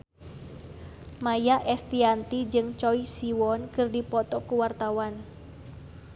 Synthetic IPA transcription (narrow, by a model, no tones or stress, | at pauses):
majaʔɛst̪iant̪id͡ʒɨŋt͡ʃɔisiwɔnkɨrdipɔt̪ɔkuwart̪awan